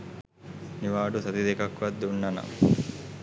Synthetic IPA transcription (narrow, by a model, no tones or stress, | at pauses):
niʋaːɖusɐt̪id̪ekɐkʋad̪ːeunːɐna̰